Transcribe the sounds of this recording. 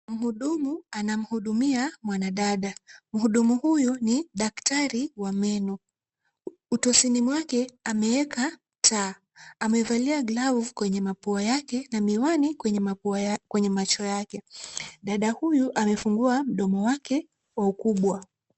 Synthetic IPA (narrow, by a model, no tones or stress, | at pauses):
m̩huɗumuanam̩huɗumiamwanaɗaɗam̩ɦuɗumuhujuniɗaktaɾiwamɛnu | utɔsinimwakɛamɛɛkam̩tʰaː | amɛvaliaɡlavkwɛɲɛmapuajakɛnamiwanikwɛɲɛmapuakwɛɲɛmat͡ʃɔjakɛɗaɗahujuʔamɛfuŋɡuam̩ɗɔmɔwakɛ | waukuɓwa